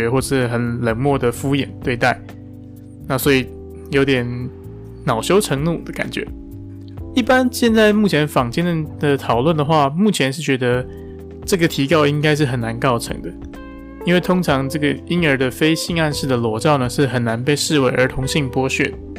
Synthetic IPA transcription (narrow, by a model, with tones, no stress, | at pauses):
ɛ˧˥xwɔ˥˩ʂɻ̩˥˩xə˨˩nlə˧˥ŋmwɔ˥˩d̪ə˩fu˥jɛ̰˨˩nt̪we˥˧ɪt̪a˥˩ɪ | na˥˩swɔ˧˥i˨˩ | jo˧˥ʊt̪jɛ˨˩˦n | nɑ˨˩ʊɕjo˥ʊʈ͡ʂʰɤ˧˥ŋnu˥˩d̪ə˩ka̰˨˩nt͡ɕɥɛ̰˧˦˥ | i˥˩pa˦nɕjɛ˥˧nt͡sa˥˧ɪmu˥˩t͡ɕʰjɛ˧˥nfɑ˨˩ŋt͡ɕjɛ˥˩nə˨˩d̪ə˨t̪ʰɑ˨˩ʊlwə˥˩nd̪ə˩xwa˥˧mu˥˩t͡ɕʰjɛ˧˥nʂɻ̩˥˩t͡ɕɥɛ˧˥d̪ə˧ | ʈ͡ʂɤ˥˩ɡə˩t̪ʰi˧˥kɑ˥˧ʊi˥ŋka˥ɪʂ̬ɻ̩˥˩xə˨˩na˧˦nkɑ˥˩ʊʈ͡ʂʰɤ̰˧˥ŋd̪ə˨ | i˥nwe˥˩ɪt̪ʰʊ˥ŋʈ͡ʂʰɑ˧˥ŋʈ͡ʂɤ˥˩ɡə˨˩i˥nə˞˧˥d̪ə˨fe˥ɪɕi˥˧ŋa˥˧nʂɻ̩˥˩d̪ə˩lwɔ˧˥ʈ͡ʂɑ˥˩ʊnə˩ʂɻ̩˥˩xə˨˩nna˧˦npe˥˧ɪʂɻ̩˥˩we˧˥ɪʔə˞˧˥t̪ʰʊ˧˥ŋɕi˥˩ŋpwɔ˥ɕɥɛ̰˥˩